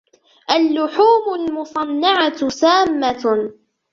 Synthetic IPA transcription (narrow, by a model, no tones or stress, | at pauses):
ʔalːʊħuːmʊlmʊsˤɑnːɑʕasaːmːa